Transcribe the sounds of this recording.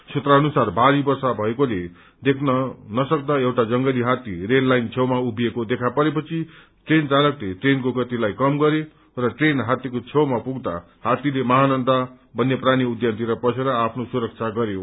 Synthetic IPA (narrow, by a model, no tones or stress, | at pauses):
sʰut̪raʌnusarbaɾibʌrsabʱʌekole | d̪ekʰnʌnʌsʌk̚d̪aewʈad͡zʌŋɡʌliɦat̪irenlajnt͡sʰʌwmaubʱijekod̪ekʰapʌɾepʌt͡sʰi | ʈrent͡salʌkleʈrenkoɡʌt̪ilajkʌmɡʌɾe | rʌʈrenɦat̪jikot͡sʰewmapuɡd̪a̰ | hat̪ilemʌɦanʌnd̪ʱa | bʱʌnːepraniud̪jʌnt̪iɾʌpʌsʰeɾʌapʰnosuɾʌk̚t͡sʰaɡʌɾjo